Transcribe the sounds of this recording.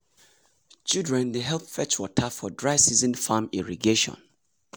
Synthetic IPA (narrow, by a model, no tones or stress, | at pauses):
t͡ʃilˠdɹɛ̃ndeɦɛlˠpfɛt͡ʃwɔtʰafɔdɹaɪsizɔ̃nfamiɹiɡeʃɔ̰̃n